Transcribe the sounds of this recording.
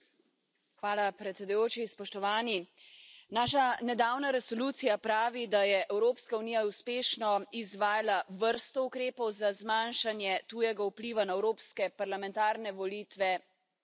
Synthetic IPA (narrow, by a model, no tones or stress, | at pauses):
xʋaːlapɾɛt̪sʲɛd̪ujoːt͡ʃispɔʃt̪ɔʋaːni | naːʃ̬anɛd̪aːwnaɾɛsɔluːt̪sijapɾaːʋid̪ajɛʔɛwɾoːpskauniːjauspeːʃnɔizʋaːjalaʋəɾst̪ɔukɾeːpɔwzazmaːnʃanjɛt̪uːjɛɡaupliːʋanaɛwɾoːpskɛpaɾlamɛ̃nt̪aːɾnɛʋɔliːt̪ʋɛ